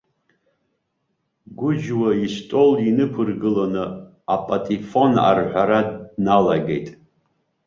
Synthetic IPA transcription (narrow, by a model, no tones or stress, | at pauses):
ɡʷʊd͡ʒwaiʃtʼo̞linɨpʰɨrɡɨlanɨ | apʼatʼifo̞na̰rħʷaɾadnalaɡḛjtʼ